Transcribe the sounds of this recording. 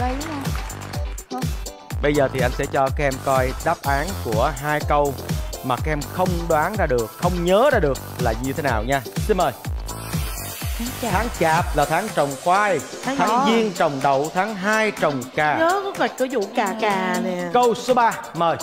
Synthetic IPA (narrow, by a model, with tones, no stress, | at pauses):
ɓə˧jzəː˨˩t̪ʰi˨˩ʔa˧jŋ̟sɛ̰˧˥t͡ɕɔ˧kaː˦˥kʔɛ˧mkɔ˧jɗaː˦˥p̚ʔaː˨˦nku˧˩əɦaː˧jkə˧wmaː˨˩kaː˨˦˥ʔɛ˧mxə˧wŋ͡mɗwaː˨˦ŋzaː˧ɗɨ˨˩ək̚xə˧wŋ͡mɲəː˨˦zaː˧ɗɨ˨˩ək̚laː˨˩ɲɨ˧t̪ʰe˨˦naː˨˩wɲaː˧si˧nməː˨˩j | t̪ʰaː˨˦ŋt͡ɕaː˨˩p̚laː˨˩t̪ʰaː˨˦ŋt͡ɕə˨˩wŋ͡mkwaː˧j | tʰaː˨˦ŋzi˧ənt͡ɕə˨˩wŋ͡mɗə˨˩˨wt̪ʰaː˨˦ŋɦaː˧jt͡ɕə˨˩wŋ͡mkaː˨˩ɲəː˨˦kɔ˨˦kə˨˩kɨ˨˧˩zṵ˧˨kaː˨˩kaː˨˩ɛ˨kə˧wso˨˦ɓaː˧məː˨˩j